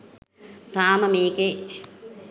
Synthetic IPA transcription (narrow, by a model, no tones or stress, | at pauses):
t̪aːmɐmiːke